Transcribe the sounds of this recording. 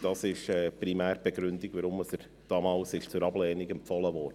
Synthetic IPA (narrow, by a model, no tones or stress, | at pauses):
d̥ɑsɪʃɛːpɾimæːɾb̥eɡɾʏndiɡʋəɾʊməsəɾ | d̥ɑːmɑːlsɪʃt͡sʊɾɑblɛːniɡɛmpfɔləʋɔːɾdə